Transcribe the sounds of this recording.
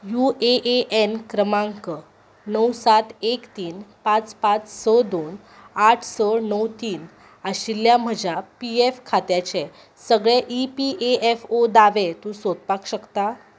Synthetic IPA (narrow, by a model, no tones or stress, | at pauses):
juʔeʔeʔenkɾəmãŋkə | nəwsat̪ekt̪iːnpãt͡spat͡ssəd̪on | aʈʰsənəwt̪iːn | aɕiljam̤əd͡ʑapiefkʰat̪jat͡ɕẽ | səɡɭeʔipiʔeefod̪aʋet̪ũsot̪̚pakɕəkt̪a